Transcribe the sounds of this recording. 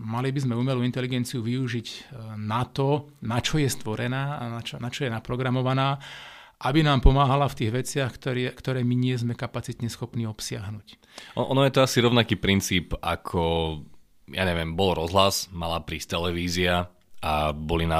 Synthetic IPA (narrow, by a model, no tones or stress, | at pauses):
malibizmɛuːmɛluint̪ɛliɡɛnt͡siuʋiuʒiɟnat̪ɔ | nat͡ʃɔjɛst̪ʋɔɾɛnaːnat͡ʃɔnat͡ʃɔjɛnapɾɔɡɾamɔʋanaː | ʔabinaːmpɔmaːɦalaft̪iːɣʋɛt͡sɪaxkt̪ɔɾkt̪ɔɾɛːmiɲɪɛzmɛkapat͡sit̪ɲɛsxɔpniːɔpsɪaɦnuːc | ɔʔɔnɔjɛt̪ɔasiɾɔʊnakiːpɾint͡siːpa̰kʰɔ | ja̰ɲɛʋɪɛmbɔlɾɔzɦlasmalapɾiːst̪ɛlɛʋiːzia | abɔlina